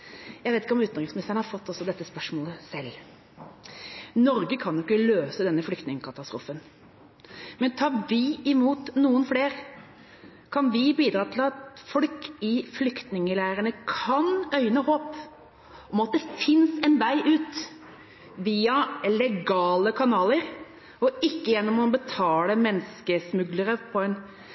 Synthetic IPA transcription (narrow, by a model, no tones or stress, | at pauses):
jæɪʋeɪt̪ɪkɔmʉːt̪ɾɪŋsmɪnɪst̪əɳhɑɾfɔt̪ːɔsːɔd̪ɛt̪ːəspœʂmoːləsɛl | nɔɾɡəkʰɑnjʊkːəløːsəd̪ɛnːəflʏkt̪nɪŋəkʰɑt̪ɑst̪ɾṵːfən | mɛnt̪ʰɑːʋɪɪmuːt̪nuːənfleːɾ | kʰɑnʋɪbiːd̪ɾɑːt̪ʰɪlɑt̪fɔlkɪflʏkt̪nɪŋəlæːɾənəkʰɑnœʏnəhoːp | ɔmɑt̪̚d̪ɛfɪnsɛnʋæɪʔʉːt̪ | ʋiːɑlɛɡɑːləkʰɑnɑːləɾ | ɔɪkːəjɛnːɔmɔbət̪ʰɑːləmɛnːskəsmʉɡləɾəpʰɔɛn